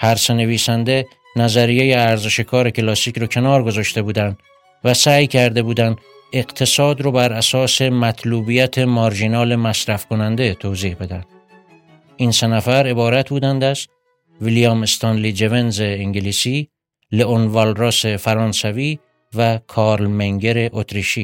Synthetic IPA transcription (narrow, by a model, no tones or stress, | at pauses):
hæɾsene̞viːsænd̪e̞ | næzæɾijejeæɾzeʃe̞kʰɒːɾe̞cʰelɒːsiːkʰɾɒcʰe̞nɒːɾɡo̞zɒːʃt̪e̞buːd̪ænd̪̥ | væsæːjcʰæɾd̪e̞buːd̪ænd̪ | e̞qt̪ʰe̞sɒːd̪ɾobæɾæsɒːse̞mæt̪ʰluːbijæt̪ʰemɒɾʒinɒːle̞mæsɾæfkʰo̞nænd̪et̪ʰoːziːhbe̞d̪ænd̪̥ | iːnse̞næfæɾe̞bɒːɾæt̪̚ʰbuːd̪ænd̪æst̪ | vilijɒːmest̪ʰɑnlid͡ʒeve̞nzeːŋɟeliːsiː | leʔonvɒlɾoːse̞fæɾɒːnsæviː | vækʰɒːɾlmeŋɡe̞ɾe̞ʔot̪ʰɾiʃiː